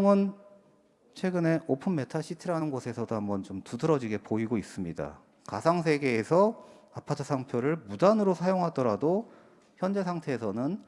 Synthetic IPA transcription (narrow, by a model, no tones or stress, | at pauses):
ŋɯn | t͡ɕʰwe̞ɡɯne̞ʔopʰɯnme̞tʰaɕʰitʰiɾanɯnɡosʰe̞sʰʌdoɦambʌnt͡ɕomtudɯɾʌd͡ʑiɡe̞poiɡois͈ɯmɲida̰ | kasʰaŋs̬ʰe̞ɡe̞ːsʰʌapʰatʰɯsʰaŋpʰjoɾɯɭmudanɯɾosʰajoŋɦadʌɾado | çjʌnd͡ʑe̞sʰaŋtʰe̞ːsʰʌnɯn